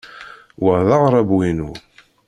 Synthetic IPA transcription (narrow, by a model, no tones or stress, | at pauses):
wəʕðɑʁɾˤɑbwinu